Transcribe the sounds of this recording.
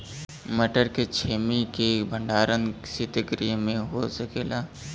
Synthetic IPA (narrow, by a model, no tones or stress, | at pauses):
məʈəɾket͡ʃʰeːmikebʱə̃ɳɖaːɾənsit̪əɡɾimẽɦosəkeːlaː